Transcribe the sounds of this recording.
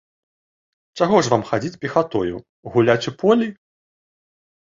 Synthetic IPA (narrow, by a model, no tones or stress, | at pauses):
t͡ʂaɣɔʐvamxad͡zʲit͡sʲpʲɛxat̪ɔjṵ | ɣulʲat͡sʲɛpɔlʲi